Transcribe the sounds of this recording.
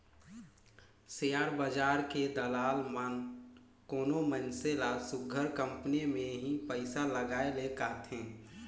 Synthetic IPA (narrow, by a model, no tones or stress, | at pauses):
sejaːɾbəd͡ʒaːɾked̪əlaːlmən | koːnomənselasʊɡʱəɾkə̃mpnemẽɦĩpəɪsaləɡaːelekaːt̪ɦɛ̃ː